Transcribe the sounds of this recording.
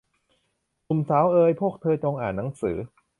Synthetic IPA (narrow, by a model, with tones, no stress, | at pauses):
ku˨˩msaː˨˦˥wʔɤː˧jpʰu˥˩ək̚t̪ʰɤː˧t͡ɕo˧ŋʔaː˨˩nːa˩˦˥ŋsɯː˩˦